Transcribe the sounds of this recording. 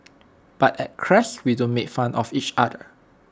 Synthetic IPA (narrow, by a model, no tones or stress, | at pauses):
b̥atɛt̚kʰɹɛswidõnmekfãnɔfit͡ʃadə